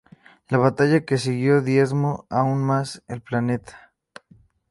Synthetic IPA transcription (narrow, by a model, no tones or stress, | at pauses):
laβat̪aʝake̞siɣjo̞ðje̞zmoaunmaselplane̞t̪ʰḁ